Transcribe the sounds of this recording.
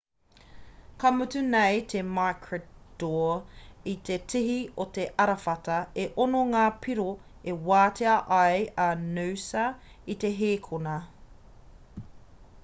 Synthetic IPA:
kʰɐmʉtʉnejt̪ʰemaːkʰɹɛtd̥oːit̪ʰetʰiɦiot̪eʔɐɾɐfɐtɐeʔonoŋaːpʰiɾo | ewaːtʰeɐʔɐjɐnuwsɐ | ite̞ɦeːkʰonɐ

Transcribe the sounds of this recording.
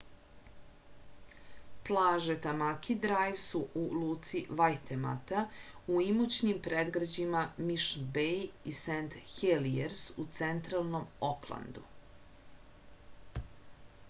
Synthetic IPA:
plˠaːʒet̪amakʰid̪ɾajvsuʔuluːt̪siʋajt̪ema̰t̪auimut͡ɕnimpɾed̪ɡɾad͡ʑimamiʃbejisent̪xelieɾsut̪sent̪ɾalˠno̞moklˠa̰nd̪u

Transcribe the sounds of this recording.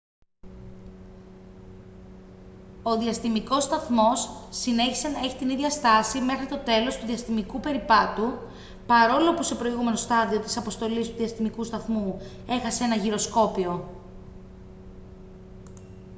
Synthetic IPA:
o̞ðiɐst̪imiko̞st̪ɐθmo̞sːine̞çi̥se̞nɐe̞çi̥t̪iniðʝɐst̪ɐsime̞xɾit̪o̞t̪e̞lo̞st̪uðiɐst̪imikupe̞ɾipɐt̪u | pɐɾo̞lo̞puse̞pɾo̞iɣume̞no̞st̪ɐðio̞t̪i̥sɐpo̞st̪o̞list̪uðiɐst̪imikust̪ɐθmu | e̞xɐseenɐʝiɾo̞sko̞pio̞

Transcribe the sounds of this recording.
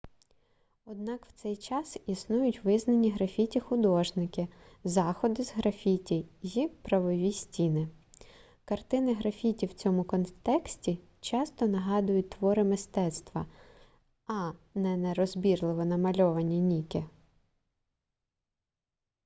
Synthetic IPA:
ɔd̪nɑkw̥t̪sɛjt͡ʃɑsisnujʊtʲʋɪznɐnʲːiɦɾɐfʲitʲixʊd̪ɔʒnɪkɪ | zɑxɔd̪ɪzɦɾɐfʲitʲijjipɾɐʋɔʋʲisʲtʲinɪ | kɐrt̪ɪnɪɦɾɐfʲitʲiwt͡sʲɔmʊkɔnt̪ɛksʲtʲi | t͡ʃɑst̪ɔnɐɦɑd̪ʊjʊt̚ʲt̪ʋɔɾɪmɪst̪ɛt̪st̪ʋɐ | ɐnɛnɛɾɔzbʲirlˠɪʋɔnɐmɐlʲɔʋɐnʲːinʲikʲɪ

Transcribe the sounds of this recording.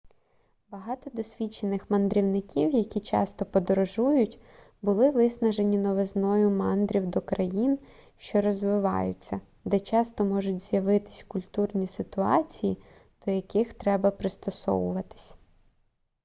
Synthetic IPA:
bɐɦɑt̪ɔd̪ɔsʲʋʲit͡ʃenɪxmɐnd̪ɾʲiwnɪkʲiwjɐkʲit͡ʃɑ̰st̪ɔpɔd̪ɔɾɔʒujʊtʲ | bʊlˠɪʋɪsnɐʒe̞nʲinɔʋeznɔjʊmɑnd̪ɾʲiwd̪ɔkɾɐjinʃt͡ʃɔɾɔzʋɪʋɑ̰jʊt͡sʲːɐ | d̪ɛt͡ʃɑst̪ɔmɔʒʊtʲz̥jɐʋɪt̪ɪ̥sʲkʊlʲt̪urnʲisɪt̪ʊɑt͡sʲiji | d̪̥ɔjɐkɪxt̪ɾɛbɐpɾɪst̪ɔsɔ̰ʋʊʋɐt̪ɪ̥sʲ

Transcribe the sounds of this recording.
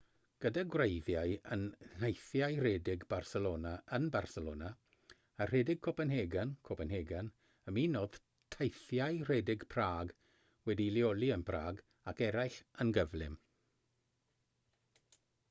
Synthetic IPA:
ɡ̥ədaɡwrejvjajənnajθjajrɛdɪɡbarsɛloːnaʔənbarsɛloːna | ar̥ɛdɪɡ̚kʰɔpənɦeɡənkʰɔpənɦeːɡən | əmiːnoːð̥ | tʰajθjajr̥ɛdɪɡpʰraːɡ | wɛdiliɔlˠiənpʰraːɡ | akɛɾajɬənɡəvlɪ̰m

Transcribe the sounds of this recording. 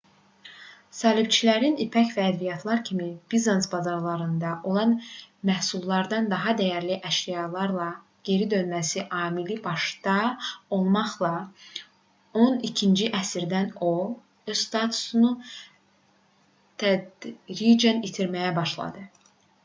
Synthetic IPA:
sɑːlibt͡ʃʰilæɾinipʰæcvæːd̪bijɑt̪ʰlˠɑɾcʰimib̥izensbɑzɑɾlˠɑɾɯnd̪ɑʔo̞lˠɑnmæhsulˠːɑɾd̪ɑnd̪ɑɦɑd̪æjæɾliʔæʃijɑlˠɑɾlˠɑ | ɟ̥e̞ɾid̪ø̞nmæsiʔɑːmilibɑʃd̪ɑo̞lˠmɑχlˠɑ | o̞nicʰind͡ʒiʔæsiɾd̪æno̞lˠ | øz̥st̪ɑt̪ʰu̥sunu | t̪ʰæd̪ɾid͡ʒænit̪ʰiɾmæjæbɑʃlˠɑ̰d̪ɯ

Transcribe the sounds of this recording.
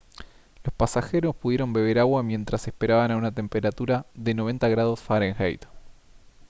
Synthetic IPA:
lo̞spasaxeɾo̞spuðje̞ɾo̞mbe̞β̞e̞ɾaɣwamje̞nt̪ɾasespe̞ɾaβanaunat̪e̞mpeɾat̪uɾaðe̞no̞βe̞nt̪aɣɾað̞o̞sfaɾeŋxḛjt̪o̥

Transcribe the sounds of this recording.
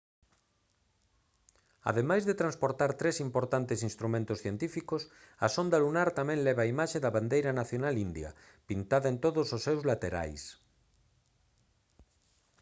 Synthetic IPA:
a̰ðemajzðet̪ɾãnspoɾt̪aɾt̪ɾesimpoɾt̪ant̪esĩnst̪ɾumẽnt̪osθjent̪ifikos | asond̪alunaɾt̪amɛ̃ŋlɛβaːimaʃeðɐβand̪ejɾanaθjonalind̪jɐ̰ | pint̪aðaent̪oðososːewzlat̪eɾa̰js

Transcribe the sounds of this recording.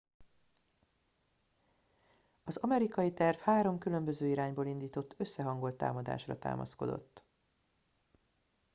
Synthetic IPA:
ɒzɒmɛɾikɒjit̪ɛrfhaːɾo̞mkylø̞mbø̞zøːiɾaːɲboːlind̪iːt̪o̞t̪ːø̞sːɛɦɒŋɡo̞lt̪ːa̰ːmɒd̪a̰ːʃrɒ̰t̪a̰ːmʔɒ̰sko̞̰d̪o̞̰t̪ː

